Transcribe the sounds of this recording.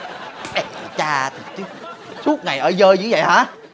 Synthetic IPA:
ɓɛ˧˩˨t͡ɕaː˧t̪ʰi˨˩t͡ɕɨ˨˦ | su˦˥ət̚ŋa˨˩jʔəː˧˩˦zəː˧jzɨ̰˧˦və̰˧˨ha̰ː˨˦

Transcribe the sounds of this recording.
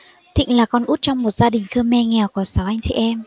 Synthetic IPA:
t̪ʰḭ˧˨ŋ̟laː˨˩kɔ˧nʔu˦˥t̚t͡ɕɔ˧wŋ͡mmo˨˩t̚zaː˧ɗï˨˩ŋ̟xəː˧mːɛ˧ŋɛ˨˩wku˧˩əsa˨˦ʔa˧jŋ̟t͡ɕɛ̰˧˨ʔɛ˧m

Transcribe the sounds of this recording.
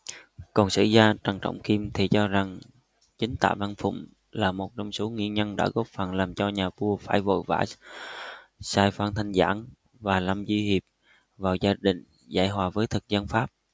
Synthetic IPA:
kɔ˨˩nsɨ̰˧˨zaː˧t͡ɕa˨˩ŋt͡ɕɔ̰˧˨wŋ͡mki˧mt̪ʰi˨˩t͡ɕɔ˧za˨˩ŋ | t͡ɕï˨˦ŋ̟t̪a̰ː˧˨vaː˧nfʊ̰˧˨ŋ͡m | laː˨˩mo˨˩t̚t͡ɕɔ˧wŋ͡mso˨˦ŋḭ˧˨əɲə˧nɗa̰ː˧˥ɣɔ˦˥p̚fa˨˩nlaː˨˩mt͡ɕɔ˧ɲaː˨˩vu˧əfaː˧˩jvo̰˧˨jva̰ː˧˩j | saː˧jfaː˧nt̪ʰa˧ŋ̟za̰ː˧˥n | vaː˨˩laː˨˩mzwi˧hi˨˩əp̚ | vaː˨˩wzaː˧ɗï˧˨˩ŋ̟ | za̰ː˧˩jɦwaː˨˩vəː˨˦jt̪ʰɨ˨˩k̚zə˧nfaː˦˥p̚

